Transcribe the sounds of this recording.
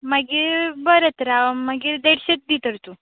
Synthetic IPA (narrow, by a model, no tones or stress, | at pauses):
maɡibəɾət̪ɾamaɡid̪eɽɕet̪̚d̪it̪əɾt̪u